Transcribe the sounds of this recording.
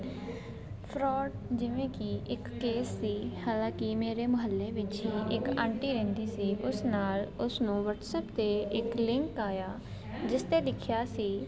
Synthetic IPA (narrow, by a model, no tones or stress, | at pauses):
pʰɾɔːɖd͡ʒɪʋẽːkɪʔɪkːeːsːiːhaːlãːkɪmeːɾeːməɦəlːeːʋɪt͡ʃɦiːʔɪkə̰̃ːɳʈiːɾɛ̃ːnd̪iːsiːʔʊsnaːlʊsnũːʋəʈsəːpt̪eːɪklɪ̃ŋkaːjaː | d͡ʒɪst̪eːd̪ɪkʰjaːsiː